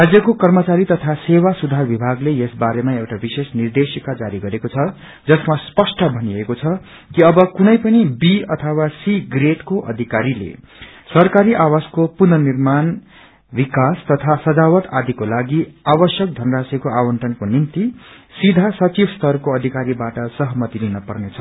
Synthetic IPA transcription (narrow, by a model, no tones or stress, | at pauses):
rad͡zjʌkokʌrmʌt͡saɾit̪ʌt̪ʰasewasud̪ʱarbibʱaɡlejesbaɾemaewʈabisesnird̪esikad͡zaɾiɡʌɾekot͡sʰʌ | d͡zʌsmaspʌsʈʌbʱʌniekot͡sʰʌ | kiʌbʌkunʌjpʌnibiʌt̪ʰʌwasiɡreʈkoʔʌ̰d̪ʱikaɾilḛ | sʌrkaɾiʔawaskopunʌnirman | bikast̪ʌt̪ʰasʌd͡zawʌt̪ad̪ikolaɡiabʌsjʌk̚d̪ʱʌnʌrasekoawʌnʈrʌnkonint̪isid̪ʱasʌt͡sibʱst̪ʌrkoʌd̪ʱikaɾibaʈʌsʌɦʌmʌt̪ilinʌpʌrnet͡sʰʌ